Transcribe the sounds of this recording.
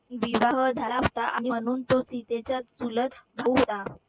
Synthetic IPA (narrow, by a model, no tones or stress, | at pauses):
ʋiʋaɦəd͡zʱalaɦot̪aʔaɽ̃iəɽ̃uːnt̪ot͡sit̪et͡ɕat̪sulət̪ʰbʱauɦot̪a